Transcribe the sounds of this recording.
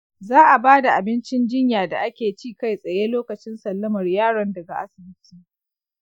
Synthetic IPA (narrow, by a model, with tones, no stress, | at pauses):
zaː˦ʔa˨baː˦da˨ʔa˨bɪ˦nt͡ʃɪ˦nd͡ʒɪ˦ɲjaː˨da˨ʔa˦kʲeː˨t͡ʃiː˦ka˦jsʼɐ˨jeː˦loː˦kɐ˨t͡ʃɪ˦nsɐ˨lːɐ˦mɐ˨rjaː˦˨ɽɔ˦ndɐ˨ɡa˨ʔa̰˦sɪ˨bɪ˦tʰiː˨